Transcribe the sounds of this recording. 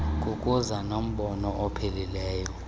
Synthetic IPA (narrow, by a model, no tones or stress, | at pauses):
k̬ʼukʼuzanom̩ɓɔnɔʔɔpʰɛlilɛːjɔ